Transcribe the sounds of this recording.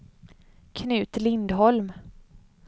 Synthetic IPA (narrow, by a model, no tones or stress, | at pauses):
kʰnʉ̟ːt̪lɪnd̪ɦɔlm